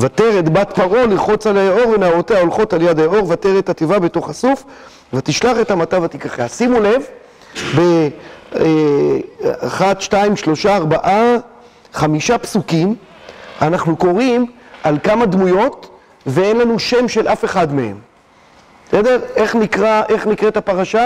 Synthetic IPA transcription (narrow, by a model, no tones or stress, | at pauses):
vat̪e̞ʁet̪bat̪paʁo̞liʁχo̞t͡salajeo̞ʁvenaaʁot̪eaolχo̞t̪aljadaeo̞ʁvat̪eʁet̪at̪evabe̞to̞χasuf | vat̪iʃlaχe̞tamat͡savat̪ikaχeasimule̞v | be | e | aχad̪ʃtaimʃlo̞ʃaːʁbaʔa | χamiʃapsukim | anaχnuko̞ʁimalkamad̪mujo̞t̪ | vee̞nlanuʃe̞mʃe̞lʔafe̞χad̪me̞he̞̰m | sede̞ʁe̞χnikʁaʔeχnikʁet̪apaʁaʃa